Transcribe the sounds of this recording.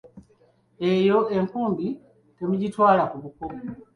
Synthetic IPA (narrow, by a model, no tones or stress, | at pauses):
e̞jo̞e̞ŋkuːmbi | te̞muɟitwaːlakuβuko